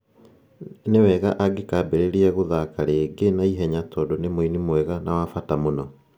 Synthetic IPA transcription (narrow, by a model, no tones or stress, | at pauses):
newɛɣaʔaɡekaːbeɾeɾiɛɣoðakaɾeːɡenaiɦɛɲatʰɔːdonemoinimwɛɣanawafatamonɔ